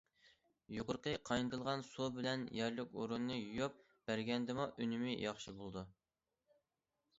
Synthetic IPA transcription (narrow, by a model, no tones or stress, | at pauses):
joqʊɾqəqʰɑjnɨt̪ɨlˠʁɑnsubɪlɛnjɛɾlɪkʲo̰ɾunːɨjujup̚ | b̥æɾɡʲɛnd̪ɪmuʔynɪmɪjɑχʃibolˠɨd̪u